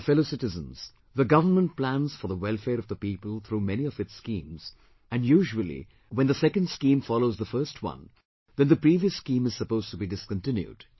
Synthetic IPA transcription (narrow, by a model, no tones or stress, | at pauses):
fɛloʊsɪɾɨzə̰̃nz̥ | ðəɡʌvənmə̃nt̚plæ̃nz̥fə˞ðəwɛlˠfɛːɾʌvðəpiːpəl̩ˠθʰɾumɛniʌvɨtskĩːmz̥ | ɨ̃njuːʒuəl̩ˠḭ | wɛ̃nðəsɛkə̃ndskĩːmfɑloʊzðəfɜ˞stʰwʌ̰̃n | ðɨ̃nðəpɾiːviəskĩmɨz̥səpoʊztubidɪskə̃ntɪ̃njṵd̥